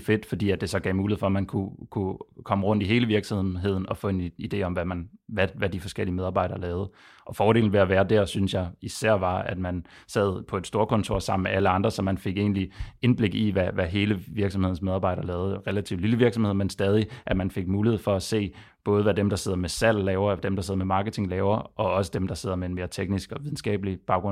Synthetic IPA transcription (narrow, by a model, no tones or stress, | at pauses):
fe̝d̥fɒ̽d̥ḭːæd̥̚e̝sɒ̽ɡ̥ɛ̰ːmuːliefɒmænkʰukʰukʰɒ̽məʁɔ̽n̰d̥iɦe̝ːləʋiɐɡ̥sɒmɦe̝ð̞̰ˠn̩ɒ̽fɔ̰̽e̝nid̥e̝̰ːɒ̽mʋæmænʋæʋæd̥ifɒ̽sɡ̥el̰iəmeð̞ˠɑ̈ːb̥ɑ̈ɪ̰dɐːlɛːʊðˠ | ʔɒ̽fɒːɾe̝̰ːln̩ʋe̝æʋæːɐd̥æɐ̰synsjɑ̈ɪisæɐ̰ʋɑ̈æd̥mænsɛð̞̰ˠpʰɒ̽e̝d̥sd̥o̝ːɐkʰɒ̽nt͡sʰo̝ɐ̰sɑ̈m̰n̩meʔæləɑ̈nd̥ʁɐsɒ̽mænfe̝ɡ̥e̝̰ːnlie̝nb̥le̝ɡ̥iʋæʋæɦe̝ːləʋiɐɡ̥sɒmhð̰ˠn̩smeð̞ˠɑ̈ːbɑ̈ɪɾ̥ɐlɛːʊð̩ˠʁelæt͡sʰḭʊ̥liləʋiɐɡ̥sɒmhe̝ð̞̰ˠmensd̥ɛːð̞ˠiʔæmænfe̝ɡ̥̚muːlihe̝ð̞̰ˠfɒ̽æse̝̰ː | b̥ɔ̽ːð̞ˠəʋæd̥emd̥ɑ̈se̝ð̞̰ˠɐmesæl̰lɛːʊɐd̥emd̥ɑse̝ð̰ˠmemɑ̈ːɡ̥ət͡sʰe̝ŋlɛːʊɐʔɒ̽ɒ̽sə̥d̥emd̥ɑ̈se̝ð̞̰ˠɐmee̝nme̝ːɐt͡sʰeɡ̥nisɡ̥ɒ̽ʋiðˠn̩sɡ̥ɛ̰ːb̥əlib̥ɑ̈ʊɡ̥ʁɔ